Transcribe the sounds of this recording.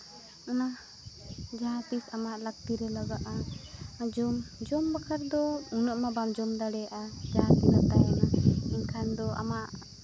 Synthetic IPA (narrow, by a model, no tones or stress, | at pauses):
ɔna | d͡ʒaɦat̪isamaʔlak̚t̪iɾɛlaɡaʔa | d͡ʒɔmd͡ʒɔmbakʰaɾd̪ɔunɔʔmabamd͡ʒɔmd̪aɽɛjaʔad͡ʒaɦat̪inat̪ajɛnainkʰand̪ɔa̰maʔ